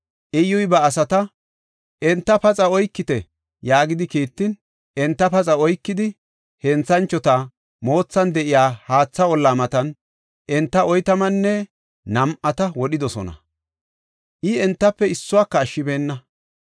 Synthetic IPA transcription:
ʔɛjɔjbɐːs̬ɐt̪ɐ | ʔɛnt̪ːɐpɐt͡sʼɐɔjkːɪt̪ɛ | jaːɡɪd̪ɪkiːt̪ːɪn | ɛnt̪ːɐpɐt͡sʼɐɔjkːɪd̪ɪ | hɛnt͡sːɐnt͡ʃːɔt̪ɐ | mo̞ːt͡sːɐnd̪ɛʔɪjaːhaːt͡sːɐɔlːaːmɐt̪ɐn | ʔɛnt̪ːɐʔɔjt̪ɐmɐnːɛ | nɐmʔɐt̪ɐwɔɗɪd̪ɔsɔ̰nɐ̰ | ʔɪɛnt̪ːɐpːɛɪsːʊwaːkːɐːʃːɪbeːnːɐ

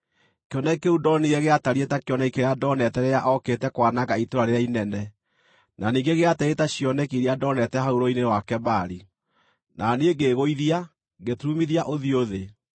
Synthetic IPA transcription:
keɔnɛikeudɔniɣɛɣeataɾietakjɔnaikeɾeadɔnɛtɛɾɛaʔɔketɛkwanaɣaitoɾaɾeɾeainɛnɛ | naniːŋɡeɣeataetaɕjɔnɛkiɾeadɔnɛtɛɦauɾoinewakɛbaɾi | naneeɡeɣoiðia | ɡetumiðiaʔoðioðe

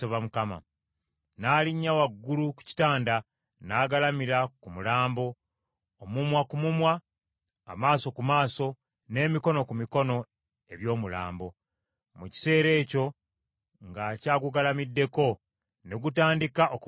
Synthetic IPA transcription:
oβamukama̰ | naːliɲːawaɡːuluku̥ci̥taːnda | naːɡalamiɾakumulaːmbo̞ː | mumwakumumwa̰ː | maːso̞kumaːso̞ | ne̞ːmiko̞no̞kumiko̞no̞ | e̞βjo̞ːmula̰ːmbo̞ | muci̥se̞ːɾe̞ːco̞ | ŋɡaːcaːkuɡalamidːe̞ko̞ | ne̞ɡutaːndikaʔok

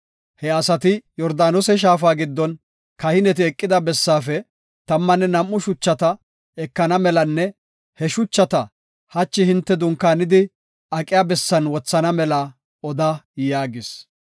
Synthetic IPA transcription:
hɛɐsɐt̪ɪjɔɾd̪aːnɔsɛʃ̬aːfaːɡɪd̪ːɔn | kɐhɪnɛt̪ɪɛkʼːɪd̪ɐbɛsːaːfɛ | t̪ɐmːɐnːɛnɐmʔːʊʃʊt͡ʃːɐt̪ɐ | ɛkːɐnɐmɛlɐnːɛ | hɛʃʊt͡ʃːɐt̪ɐ | hɐt͡ʃːɪhɪnt̪ːɛd̪ʊŋkːaːnɪd̪ɪ | ɐkʼːɪjaːbɛsːɐnwɔt͡sːɐnɐmɛlɐ | ɔd̪aːjaːɡɪs

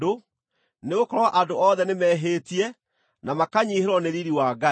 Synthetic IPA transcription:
do | neɣokɔɾwaʔadoɔːðɛnemɛːɦeːtiɛ | namakaɲiheɾɔneɾiɾiwaɡa

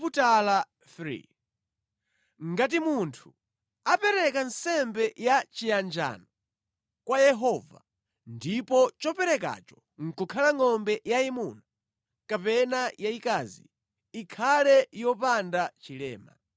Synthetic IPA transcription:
putala | fɾḭ | ŋɡat̬imuntʰu | apɛɾɛkansɛmbɛjat͡ʃijand͡ʒa̰nɔ | kwajɛɦɔva̰ | ndipɔt͡ʃɔpɛɾɛka̰t͡ʃɔ̥ | ŋ̩kukʰalaŋɔmbɛjaimuna | kapɛnajaikazḭ | ikʰalɛjɔpandat͡ʃilɛ̰ːma̰

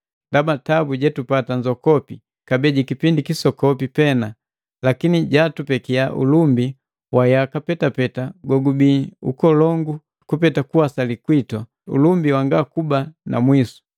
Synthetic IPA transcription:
ndabatabuɟɛtupataɲd͡ʒɔkɔpi | kabɛɟikipindikisɔkɔpipɛna | lakiniɟatupɛkiaʔṵlumbi | wajakapɛtapɛtaɡɔɡubiṵkɔlɔŋɡu | kupɛtakuwasalikwitwa | ṵlumbiwaŋɡakubanʔa̰mwisu̥

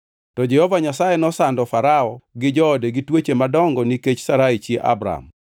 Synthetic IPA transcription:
tɔd͡ʒɛhɔvaɲasajenɔsandɔfaɾaɔɡɪd͡ʒɔːdeɡitwet͡ʃemadɔŋɡɔniket͡ʃsaɾait͡ʃjeʔa̰bɾa̰m

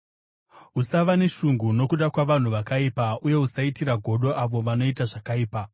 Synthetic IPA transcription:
usaʋane̞ʃuŋɡuno̞kuɗakwaʋan̤uʋakaipauje̞usaitiɾaɡʱo̞ɗo̞ʔaʋo̞ʋano̞itaʐakaiːpa

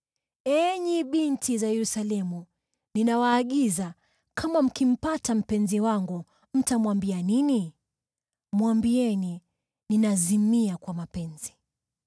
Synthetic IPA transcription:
ɛɲiɓintizajɛɾusalɛmu | ninawaːɠiza | kʰamam̩kim̩patam̩pɛnziwaŋɡu | m̩tamwambianini | mwambiɛni | ninazimiakwamapɛnzi

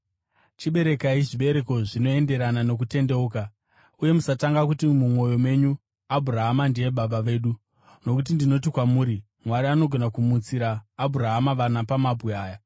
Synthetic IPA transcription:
t͡ʃiɓe̞ɾe̞kaiʐiɓe̞ɾe̞ko̞ʐino̞e̞nde̞ɾanano̞k̬ute̞nde̞uːka | uje̞musataŋɡak̬utimumo̞jo̞me̞ɲu | abʱuɾaɦamandie̞ɓaɓaʋe̞ːɗu | no̞kut̬indino̞tikwamuːɾi | mwaɾiano̞ɡʱo̞nakumut͡siɾaːbʱuɾaɦamaʋanapamabʱɣeaːja

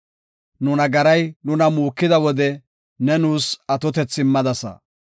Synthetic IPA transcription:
nʊnɐɡɐɾɐjnʊnɐmuːkːɪd̪ɐwɔd̪ɛ | nɛnuːsɐt̪ɔt̪ɛt͡sːɪmːɐd̪ɐsɐ̰

